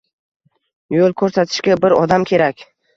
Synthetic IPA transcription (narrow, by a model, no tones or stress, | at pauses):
jolˠkʰɵɾsat̪ʰɪ̥ʃkʲabɪɾɒd̪amkʲʰe̞ɾakʲ